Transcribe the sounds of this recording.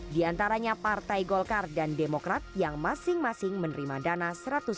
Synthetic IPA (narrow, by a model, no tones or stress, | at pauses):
diant̪aɾaɲapart̪ajɡɔlkardandemokɾat̪̚jaŋmasɪŋmasɪŋmənəɾimadanasəɾat̪ʊs